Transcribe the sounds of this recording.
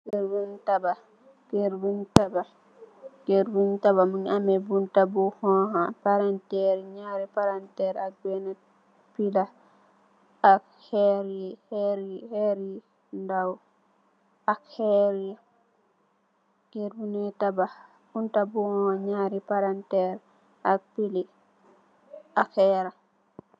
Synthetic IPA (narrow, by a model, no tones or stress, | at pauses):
ɡeɾwuntaba | ɡ̥eɾwuntaba | ɡ̥eɾbuntaβamunamɛbuntabuhɔɦapaɾantɛɾɛɲaɾipaɾantɛɾak̚ɡɛna | pila | ak | hɛɾihɛɾihɛɾi | ndaw | ʔakhɛɾi | ɡiɾbunɛtaba | buntabuhɔ̃haɲaɾipaɾantɛɾ | ʔak̚pili | akɛɾa